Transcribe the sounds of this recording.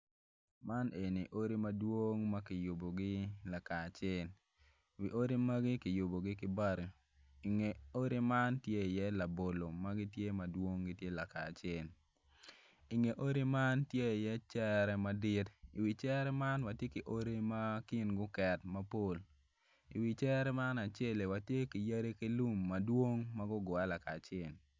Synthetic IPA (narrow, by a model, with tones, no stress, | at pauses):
ma˦ne˨ni˨ʔo˦ɾi˦mɐ˦dwo˦ŋma˦kɪ˨ju˨bo˨ɡɪ˦la˨ka˨t͡ʃɪ˦l | wi˨ʔo˦ɾi˦ma˦ɡɪ˦kɪ˨ju˨bo˨ɡɪ˦kɪ˦ba˦ɾo˨ | i˨ŋeo˦ɾi˦ma˦ntje˦˨jɛ˦la˨bo˨lo˨ma˦ɡɪ˦tje˦ma˨dwo˦ŋɡɪ˦tje˦la˨ka̰ː˨t͡ʃɪ˦l | i˨ŋe˨ʔo˦ɾi˦ma˦ntje˦i˨jɛ˦t͡ʃɛ˦ɾɛ˦ma˦dɪ˦ti˨wi˨t͡ʃɛ˦ɾɛ˦ma˦nwa˨tje˦ki˨ʔo˦ɾe˦ma˦kɪ˦nɡʊ˦kɛ˨tmɐ˦po˨l | i˨wi˨t͡ʃɛ˦ɾɛ˦ma˦na˨t͡ʃe˦le˨wa˨tje˦ki˨ja˦ɾe˦ki˦lu˦mːɐ˨dwo˦ŋma˦ɡʊ˦ɡʊ˨a˦la˨kaː˨t͡ʃɪɛ˨l